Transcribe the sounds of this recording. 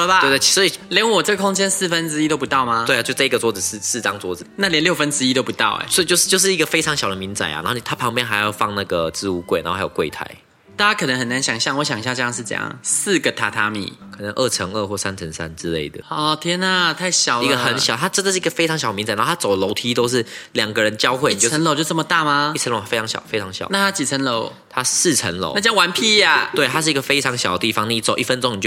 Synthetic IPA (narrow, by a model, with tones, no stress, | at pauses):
a˨e˥˧˩t̪e˥˩˨sɔ˧˥i˨˩ljɛ˧˥˦nwɔ˨˩ʈ͡ʂə˥˩ɡə˩kʰo˥ŋt͡ɕjɛ˥nsɹ̩˥˩fə˦nʈ͡ʂɻ̩˥i˥t̪o˥ʊpu˧t̪ɑ˥˨ʊma˩t̪we˥˧˨t͡ɕo˥˧t͡sa˥˩i˧˥ɡə˨t͡swɔ˧˥d͡z̩˨˩ʂ̩˥˧sɹ̩˥˩ʈ͡ʂɑ˦ŋt͡swɔ˧˥d͡z̩˨˩na˥˩ljɛ˧˦nljo˥˩ʊfə˦nʈ͡ʂɻ̩˥i˦˥t̪o˥ʊpu˧t̪ɑ˥˩ʊḛ˨˩swɔ˥˨˩t͡ɕjʂɻ̩˥˧t͡ɕo˥˧ʊʂ̬ɻ̩˥˩i˧ɡə˨fe˥ɪʈ͡ʂʰɑ˧˦ŋɕjɑ˨˩ʊd̪ə˧mi˧˥nt͡sa̰˨˩ɪa̰˨n˧˦˥o˥˩ni˨˩a˥pʰɑ˧˥ŋpjɛ˥˧nxa˧˥ɪ˥jɑ˥˧ʊfɑ˥˧ŋna˥˩ɡə˩t͡sɹ̩˥˧u˥˩kwe˥ɪna˧˥o˥a˥jo˨˩kwe˥˩ɪt̪ʰa̰˨˧˦ɪ | t̪a˥˩t͡ɕa˥kʰɤ˨˩nə˦ŋhə˨˩na˧˦nɕjɑ˨˩ŋɕjɑ˥˩ŋwɔ˧˦ɕjɑ˨ŋi˧ɕja˥˧ʈ͡ʂɤ˧jɑ˥˧ʂɻ̩˥˩ʈ͡ʂɤ̰˧˦jɑ̰˥˩ŋs̩˥˩ɡə˩t̪ʰa˨˩t̪ʰa˥mḭ˨˩˦kʰɤ˨˩nə˧˦ŋʔə˥˩ʈ͡ʂʰə˧˥ŋə˥˧xwɔ˥˩sa˦nt͡sʰə˧˥ŋsa̰˦˥nʈ͡ʂɻ̩˦˥le˥˩ɪd̪ə˩ɔ˥˧˩t̪ʰjɛ˥na˨˩t̪ʰa˥˩ɪɕjɑ˨˩i˧˦ɡə˧xə˨˦nɕjɑ˨˩t̪ʰa˥ʈ͡ʂə˥nd̪ə˨ʂɻ̩˥˩i˧˥ɡə˩fe˥ɪʈ͡ʂʰɑ˧˥ɕɑ˨˩əmi˧˥nt͡sa˨˩nʰ˧˦˥a˥t͡so˨˩ʊdə˦lo˧˥ʊt̪ʰi˥t̪o˥ʊʂ̬ɻ̩˥˩ljɑ˨˩ŋɡə˨ɻə˧˦nt͡ɕjɑ˥ʊxwe˥˩˨o˥˧ə˧˦nlo˨ʊt͡ɕjo˥˧ʊt͡sə˥˩mə˩t̪a˥˩ma˧i˥˩ə˧˦nlo˨˩˥e˥ɑ˧ŋɕj̰ʊfe˥ɪʈ͡ʂʰɑ˧˦ŋɕɑ̰˨˩˦na˥˩t̪ʰa˥t͡ɕi˨˩t͡sʰə˧˦nlo˧˦ʊ | t̪ʰa˦s̩˥˩ʈ͡ʂʰə˧˥nlo̰˨˦na˥˧t͡ɕja˥ŋwa˧˦npʰi˥a˨˩t̪we˥˩ɪt̪ʰa˥ʂɻ̩˥˩i˧˥ɡə˧fe˥ɪʈ͡ʂʰɑ˧˥ŋɕjɑ˨ʊd̪ə˦t̪i˥˩fɑ˨˦ŋni˧˨˩t͡so˨ʊʔi˥˩fə˦nʈ͡ʂo˥˦ŋni˨˩t͡ɕjo˥˩